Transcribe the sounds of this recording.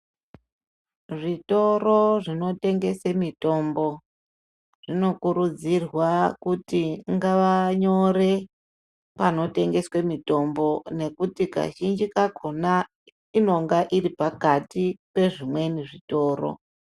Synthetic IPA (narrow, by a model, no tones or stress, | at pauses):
ʐito̞roʐino̞te̞ŋɡe̞semito̞mbo̞ | ʐ̥ino̞kuɾud͡zirwakutiŋɡaʋaɲo̞ɾe̞ | pano̞te̞ŋɡe̞swe̞mito̞mbo̞ne̞kutika̰ʒind͡ʒikakona | ino̞ŋɡaʔiɾipakatipe̞ʐimwe̞niʐito̞ːɾo̞̰